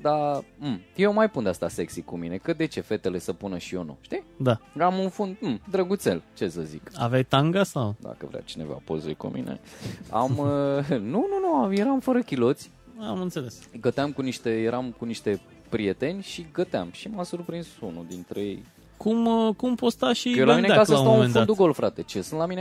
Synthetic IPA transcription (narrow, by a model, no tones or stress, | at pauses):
d̪amjewmajpund̪east̪aseksikumine̞kəd̪e̞t͡ʃe̞fe̞t̪e̞le̞səpunəʃio̞nṵʃt̪id̪aamunfund̪̩md̪ɾəɡut̪se̞̰lt͡ʃe̞səzika̰vajt̪aŋɡast̪ad̪a̰kəvɾea̰t͡ʃine̞̰va̰po̰zekṵmʔḭnʔḛa̰m | nununuamjeɾamfəɾəkʲilo̞t̪sʲ | amɨnt̪se̞lesɡət̪eamkuniʃt̪e̞jeɾʔamkuniʃt̪e̞ | pɾije̞t̪e̞nʲʃiɡət̪eamʃimasurpɾinsunud̪int̪ɾeejej | kumkumpost̪aʃielaminekasəst̪awũnfund̪uɡo̞lfɾat̪e̞t͡ʃe̞sɨ̃nt̪lamine